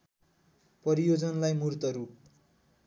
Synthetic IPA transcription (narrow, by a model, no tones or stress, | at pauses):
pʌɾijod͡zʌnlajmurt̪ʌɾup